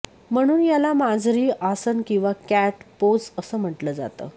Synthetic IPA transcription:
m̤əɽ̃uːnjalamad͡zɾiːʔasənkĩw̃ʋakæʈpod͡zəsəːm̤əʈləːd͡za̰t̪ə̰ː

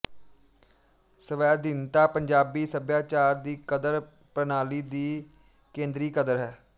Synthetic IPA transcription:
səʋɛːd̪ɪnt̪aːpəɲd͡ʒaːbiːsəbjaːt͡ʃaːɾd̪iːkəd̪əɾ | pɾənaːliːd̪iː | kẽːnd̪ɾiːkəd̪əɾɦɛː

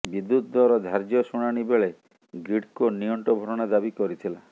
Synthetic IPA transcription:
bid̪ːut̪d̪ɔɾɔd̪ʱaɾd͡ʒjɔsuɽ̃aɽ̃ibeɭe | ɡiɽkoniɔɳʈɔbʱɔɾɔɽ̃ad̪abikɔɾit̪ʰila

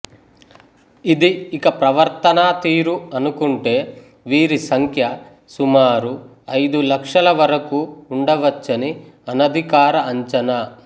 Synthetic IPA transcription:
id̪iːkɐpɾɐʋɐɾt̪ɐnaːt̪iːɾuɐnukuɳʈe̞ː | ʋiːɾisɐŋkʰjɐ | sumaːɾu | ɐjd̪ulɐkʂɐlɐʋɐɾɐkuːɳɖɐʋɐt͡ʃːɐni | ɐnɐd̪ʱikaːɾɐɐɲt͡ʃɐnɐ

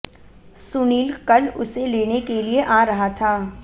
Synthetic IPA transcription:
sʊniːlkɐlʊ̰seleːnekelieʔaːɾɐɦat̪ʰaː

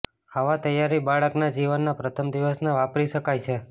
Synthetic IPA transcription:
aʋat̪əjaɾibaɭəknad͡ʒiʋənːapɾət̪ʰəmd̪iʋəsneʋapɾiʃəkajt͡ʃʰe

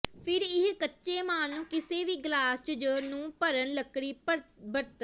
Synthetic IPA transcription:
pʰɪɾɪɦkətːʃeːmãːnũːkɪseːʋiːɡlaːst͡ʃəd͡ʒəːɾnũːpəɾənləkːɽiːbəɽt̪

